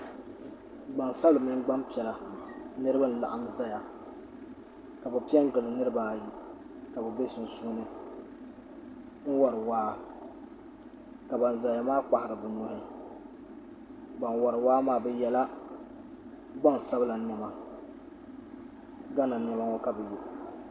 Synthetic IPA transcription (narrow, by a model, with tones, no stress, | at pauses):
ɡ͡ba˨nsa˦bɨ˨mi˦ŋ˦ɡ͡ba˦mpi˨ɛ˨la˨nɨ˦ɾɨ˦ba˦n̩˨la̰˨ʔa˨mza˦ja˨ | ka˨bɛ˨pi˦ɛ˦ŋ˦ɡɨ˨lɨ˨nɨ˦ɾɨ˦ba˦˨ji˦ | ka˨bɛ˨be˦sʊ˨n̩˨su˦nɨ˦ | ŋ̩˦wɔ˨ɾɨ˨waː˦ | ka˨ba˨n˨za˨ja˨maː˦k͡pa˨hɪ˨ɾɨ˨bɨ˨nʊ˨hɪ˦ | ɡ͡ba˨nwɔ˨ɾɨ˨waː˦maː˦bɛ˦jɛ˨la˦ | ɡ͡ba˦ŋ˨sa˦bɨ˦la˨nɛ˨ma˦ | ɡa˦na˨nɛ˦ma˦ŋɔ˦ka˨bɛ˨jɛ˦